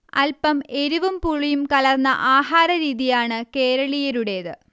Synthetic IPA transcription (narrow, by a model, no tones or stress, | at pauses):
ɐ̰lpɐme̞ɾuʋumpuɭijumkɐlɐrnːɐ̰ʔaːɦaːɾɐɾiːðijaːɳɨke̞ːɾɐɭijɐɾuɽe̞ðɨ